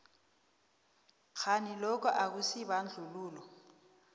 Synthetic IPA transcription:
k͡xʰanilɔk̬ʼɔʔak̬usiβan̩d͡ɮʱuluːlɔ

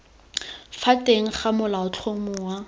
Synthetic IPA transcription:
fatʼeŋ̩χamʊlaʊt͡ɬʰomʊwa

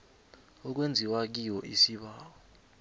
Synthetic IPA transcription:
ɔk̬wend͡zʱiwak̬iwɔʔisiɓaːwɔ

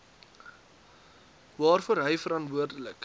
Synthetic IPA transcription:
vɑːrfuəɾɦəjfəɾɐntvuərdələk

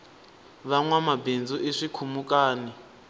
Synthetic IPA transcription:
βaŋwamabend͡zuʔeʂikʰumukʼaːni

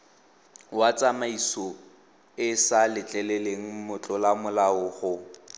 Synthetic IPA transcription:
wat͡sʼamaisɔ | ɪsalɪt͡ɬʼɛlɛleŋ̩mʊt͡ɬʼɔlamʊlaʊχʊ

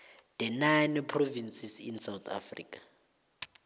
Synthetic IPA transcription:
d̥ɛnajnpʰrovinsisḭnsawt̪ʰa̰frḭːkʼḁ

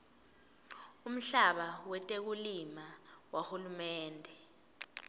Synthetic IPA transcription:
um̩ɬaɓawɛtʼek̬ulimawahulumɛːndʱɛ

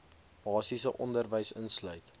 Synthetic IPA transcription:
b̥ɑːsisəʔɔndərvəjsənslœɥt

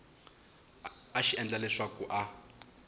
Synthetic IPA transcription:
aʃiɛnd͡ɮalɛʂwakuʔa

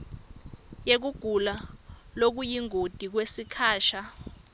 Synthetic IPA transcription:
jek̬uɡ̥ʱulalok̬ujiŋod̥ʱik̬wesikʰaːʃa

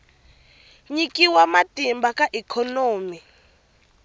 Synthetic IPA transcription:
ɲikʼiwamatʼimbakʼaʔikʰɔnoːmi

